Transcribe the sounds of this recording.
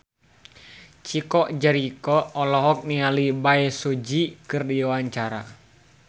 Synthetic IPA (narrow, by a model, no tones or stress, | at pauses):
t͡ʃikɔʔd͡ʒɛɾikɔːlɔɦɔk̚nialibaɛsod͡ʒikɨrdiwaɲt͡ʃaɾa